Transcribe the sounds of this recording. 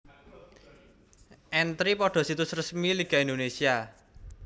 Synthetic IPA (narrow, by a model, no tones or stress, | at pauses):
ʔɛnt̪ɾipɔɖ̥ɔ̤sit̪ʊsrəsmiliɡ̥a̤ind̪onesia